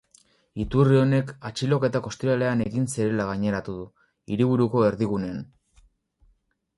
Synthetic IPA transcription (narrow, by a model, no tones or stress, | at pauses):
it̪urio̞ne̞kat͡ʃilo̞ke̞t̪ako̞st̪iɾale̞ane̞ɣinsiɾe̞laɣaɲe̞ɾat̪uðu | iɾiβuɾuko̞e̞ɾðiɣune̞an